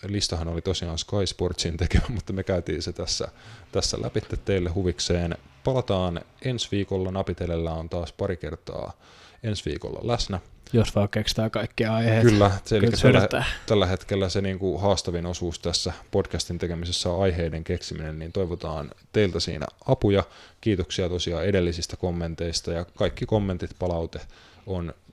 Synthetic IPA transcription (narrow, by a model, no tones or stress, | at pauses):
list̪ɑhɑnolit̪osiɑːnskɑisport̪sint̪ekeʋæmut̪ːɑmekæyt̪iːnset̪æsːæ̰t̪æsːæ̰lʔæ̰pit̪ːet̪tːeilːehuʋikseːnpɑlɑt̪ɑːne̞nsʋiːkolːɑnɑpit̪elelːæont̪ɑːspɑɾike̞rt̪ɑ̰ː | e̞nsʋḭːko̰lːɑ̰læsnæjosʋɑːkkekst̪æːkɑikːiɑɑiheːkylːæeliːæt̪ælːæɦe̞t̪kelːæseniːŋkuɦɑːst̪ɑʋino̞suːst̪æsːæpo̞dkæst̪int̪e̞ke̞misesːæɑjɦeːdeŋke̞ksiminenniːnt̪o̞jʋot̪ɑ̰ːnt̪e̞ilt̪æsḭːnæ̰ɑpujɑkiːt̪oksiɑt̪o̞siɑe̞de̞lːisist̪æko̞mːe̞nt̪e̞ist̪ɑjɑkɑjkːiko̞mːent̪it̪pɑlɑwt̪e | on